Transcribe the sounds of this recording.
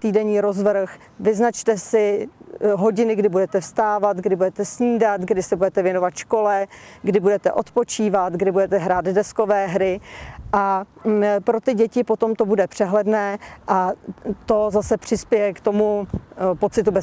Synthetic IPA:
t̪iːdɛɲiːɾo̞zvɾ̩x | vɪznat͡ʃt̪ɛsɪ | ɦo̞ɟɪnɪɡdɪbudɛt̪ɛfst̪aːvat̪ɡdɪbudɛt̪ɛsɲiːdat̪ɡdɪsɛbudɛt̪ɛvjɛnovat̪ʃko̞lɛɡdɪbudɛt̪ɛʔo̞̰t̪po̞t͡ʃiːvat̪ɡdɪbudɛt̪ɛɦɾaːd̪dɛsko̞vɛːɦɾɪʔa | pɾo̞t̪ɪɟɛcɪpo̞t̪o̞mt̪o̞budɛpr̥ɛɦlɛdnɛːʔat̪o̞zasɛpr̝̥ɪspjɛjɛkt̪o̞mupo̞t͡sɪt̪ubɛ

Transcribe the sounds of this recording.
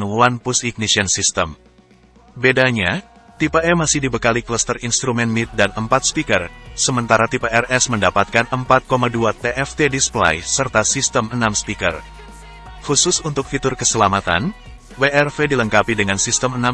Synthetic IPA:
uanpusik̚nisiənsist̪əm | bedaɲa | t̪ipeɛmasɪhdibəkalikləst̪ərinst̪ɾumɛnmit̪̚danəmpat̪̚spikərsəmənt̪aɾat̪ipeʔɛrɛsməndapat̪̚kanəmpat̪̚komaduat̪eʔɛft̪edispla̰jsərt̪asist̪əmənamspikə̰r | husʊsunt̪ʊk̚fit̪ʊrkəsəlamat̪a̰n | weʔɛrfediləŋkapidəŋansist̪əməna

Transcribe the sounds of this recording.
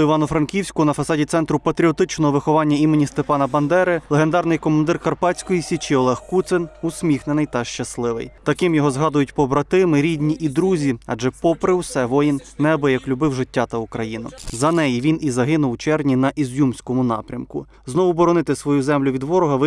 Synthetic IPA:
iʋɑnʊfɾɐnkʲiwsʲkʊnɐfɐsɑdʲit̪sɛn̪t̪ɾʊpɐt̪ɾʲiɔt̪ɪt͡ʃnɔɦɔʋɪxɔʋɑnʲːɐimenʲist̪epɑnɐbɐnd̪ɛɾɪlˠeɦend̪ɑrnɪjkɔmɐnd̪ɪrkɐrpɑtt͡sʲkɔjisʲit͡ʃiɔlˠɛxkut̪sɪnusʲmʲixnenɪjt̪ɐʃt͡ʃɐslˠɪʋɪ̰jt̪ɐkɪmjɔɦɔzɦɑd̪ʊjʊtʲpɔbɾɐt̪ɪmɪɾʲidʲnʲiʔid̪ɾuzʲiɐd͡ʒɛpɔpɾɪwsɛʋɔjinːɛɐbɪjɐklʲʊbɪwʒɪtʲːat̪ɐʊkɾɐjinʊ̰zɐnɛjiʋʲinizɐɦɪnʊwt͡ʃɛrnʲinɐʔizʲjumsʲkɔmʊnɑ̰pɾʲɐmkʊ | znɔʋʊbɔɾɔnɪt̪ɪsʋɔjuzɛmlʲʊʋʲid̪ʋɔɾɔɦɐʋɪ

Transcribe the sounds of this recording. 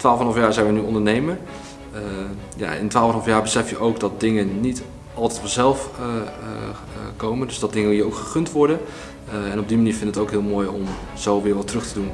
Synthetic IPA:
tʋaːlˠfnlˠfjaːɹzɛjnʋənyɔndəɹnejmən | ja̰ɪ̰ntʋaːlˠfɑnɑlfjaːɹbəsɛfjəʔowkdɑt̚dɪŋənit | ɑlˠtɛtfɔnzɛlˠf | kowməndɵsdɑt̚dɪŋəɦiːɹowkχəχɵntʋɔɹdən | ɛnɔbdimaniːɹfɪndətətowkɦɪːlˠmoːjɔ̰m | z̥owʋɪːɹʋɑtrɵχtədun

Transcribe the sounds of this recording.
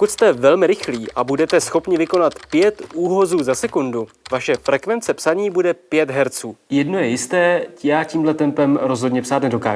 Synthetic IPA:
pokut̪st̪ɛvɛlmɪɾɪxliːʔʔabudɛt̪ɛsxo̞pɲɪvɪko̞nat̪pjɛt̪ʔuːɦo̞zuːzasɛkundu | vaʃɛfɾɛkvɛnt͡sɛpsaɲiːbudɛpjɛt̪ɦɛɾt͡suːjɛdno̞jɛjɪst̪ɛːcɪjaːciːmdlɛt̪ɛmpɛmɾozɦodɲɛpsaːt̪nɛdo̞ka̰ːʒ

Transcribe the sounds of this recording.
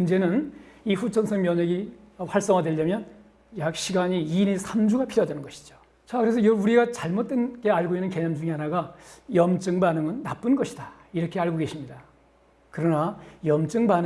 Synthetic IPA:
kɯnd͡ʑe̞nɯniɸut͡ɕʰʌnsʰʌŋmjʌɲʌɡiɸwaɭs͈ʌŋɦadweʎjʌmjʌn | jak̚ɕ͈ʰiɡaɲiinesʰamd͡ʑuɡapʰiɾjʌdʌnɯnɡʌɕʰi̥d͡ʑo̥ | t͡ɕakɯɾe̞sʰʌjʌuɾiɡat͡ɕaɭmot̚t͈wenɡe̞aɭɡoinːɯnke̞ɲamd͡ʑuŋiɦanaɡajʌmt͡ɕ͈ɯŋbanɯŋɯnːap͈ɯnɡʌɕʰi̥d̥a | iɾʌkʰe̞aɭɡoɡe̞ɕʰimɲida | kɯɾʌnajʌmt͡ɕ͈ɯŋban

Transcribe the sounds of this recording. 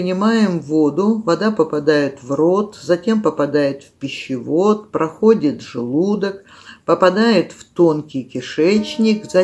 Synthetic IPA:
nʲɪmajɪmvo̞d̪ʊvɐd̪apəpɐd̪ajɪt̪vro̞t̪zɐtʲe̞mpəpɐd̪ajɪt̪fpʲɪɕːɪvo̞t̪̚pɾɐxo̞dʲɪt̪ʐɨlˠud̪ək | pəpɐd̪ajɪt̪ft̪o̞nkʲɪjkʲɪʂɛt͡ɕnʲɪkzɐ

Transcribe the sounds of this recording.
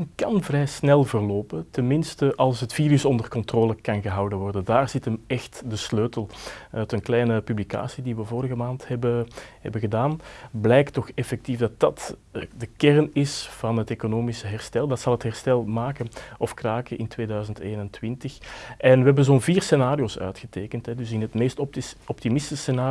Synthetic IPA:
kɑnvrɛjsnɛlˠvərloːpətɛnmɪnstəʔɑlˠsɦətfiːɾʏsɔndərkɔntroːləkɑnɣəɦɑwdənʋɔrdədaːrzɪtəmɛxtdəsløːtəlˠœtənklɛjnəpyblika̰ːsidiʋəvoːɾəɣəmaːnthɛbəhɛ̰bəɣədaːnblɛjktɔxɛfɛk̚tifdɑt̚ɑtːdəkɛrnɪsv̥ɑnɦətekonoːmisəɦɛrstɛlˠdɑtsɑlˠɦəthɛrstɛlˠmaːkənɔfkraːkəʔɪntʋeːdœɥzənteːnɛntwɪntəxʔɛnʋəɦɛbənzoːnviːrsenaːɾijoːsœ̰ːɥtxəteːkəntɦɛdʏs̬ɪnɦətmeːstɔp̚ɔp̚timɪsəsenaː

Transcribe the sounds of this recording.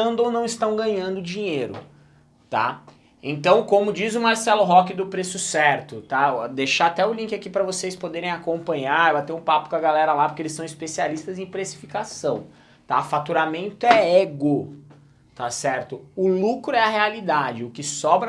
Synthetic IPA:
ɐ̃nd̪ʊownɐ̃w̃ist̪ɐ̃w̃ɡɐ̃ɲɐ̃nd̪ʊd͡ʒĩɲeɾʊ̰ | t̪a̰ | ḛ̃nt̪ɐ̃w̃kõmʊd͡ʒizʊmaɾsɛlʊɦɔkɪd̪ʊpɾesʊsɛɾt̪ʊt̪ad̪eʃaːt̪ɛʊlĩkɪakipɾɐvosejspod̪eɾẽj̃akõpɐ̃ɲaɾbat̪eɾũpapʊkɐɡalɛɾɐlapʊɾkeelɪsːɐ̃w̃ispesialist̪ɐzẽj̃pɾesi̥fikasɐ̃w̃ | t̪afat̪uɾamẽnt̪ʊɛeɡʊ | t̪asɛɾt̪ʊʊlukɾʊɛɐhealid̪ad͡ʒɪʊkɪsɔbɾɐ

